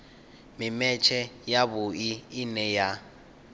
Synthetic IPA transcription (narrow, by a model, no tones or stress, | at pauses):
mɪmɛt͡ʃʰɛjaβʊiːnɛja